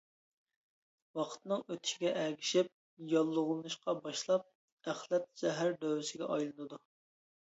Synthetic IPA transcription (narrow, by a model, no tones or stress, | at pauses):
wɑqʰə̥t̪nɨŋøt̪ʰʃɪɡʲɛʔæɡʲiʃɪp̚ | jɑlˠːʊʁlˠɨnɨʃqɑbɑʃlˠɑp̚ | æχlˠɛt̪̚ʃɛɦæɾd̪øwɪsɪɡʲɛ̰ʔɑjlˠɨnɨd̪u